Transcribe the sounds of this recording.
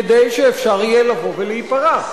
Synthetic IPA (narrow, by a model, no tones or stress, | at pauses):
ed̪ejʃeːfʃaʁijelavo̞veleipaʁaχ